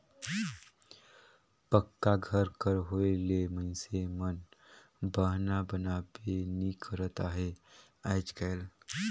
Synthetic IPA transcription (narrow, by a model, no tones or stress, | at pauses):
pəkːaɡʱəɾkəɾɦoeleməñsemən | bəɦnabənabenikʰəɾət̪aɦe | ajd͡ʒkajl